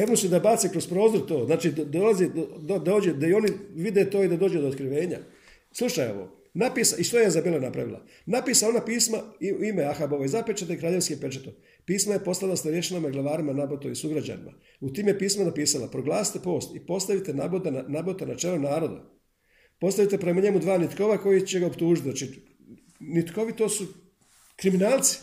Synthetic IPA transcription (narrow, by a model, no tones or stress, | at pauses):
eʋnosud̪abaːt̪sekɾo̞spɾo̞ːzoɾt̪o̞ːznaːt͡ʃid̪d̪olazid̪od̪od̪aoːd͡ʑed̪aio̞niʋid̪et̪o̞ːid̪ad̪oːd͡ʑud̪ot̪kɾiʋe̞ːɲa̰ | slˠuʃajḛʋo̰ | napiːsaʔiʃt̪ojeezabiːlˠanapɾa̰ʋḭlˠa̰ | napiːsao̞napiːsmaiimeaxaboʋoizapit͡ʃat̪ekɾaːʎe̞ʋskepe̞t͡ʃet̪o | piːsmaje̞po̞st̪alasnaɾjeʃenamaɡlˠaʋaːɾimanabot̪omisuɡɾad͡ʑa̰nḭma̰ | ut̪iːmjepiːsmanapiːsala̰pɾoɡlˠaːsi̥t̪epo̞ːst̪ipo̞st̪aʋit̪enabot̪anabot̪enat͡ʃelonaːɾo̞d̪a̰ | po̞st̪aʋit̪epɾe̞maɲe̞mud̪ʋaːnit̪ko̞ʋako̞jit͡ɕe̞ɡaopt̪uːʒit̪at͡ʃi | nit̪ko̞ʋit̪o̞ːsu | kɾiminaːlˠt̪si̥